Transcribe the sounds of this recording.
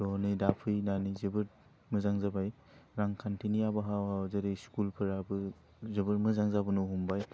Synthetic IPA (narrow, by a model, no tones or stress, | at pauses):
dɔnɯjdapʰɯjnanizɯbɯɾ̚ | mɯzaŋzabaj | ɾaŋkʰantʰinijabaɦawazɯɾɯskulpʰɯɾabɯ | zɯbɯɾmɯzaŋzabɯnuɦumbaj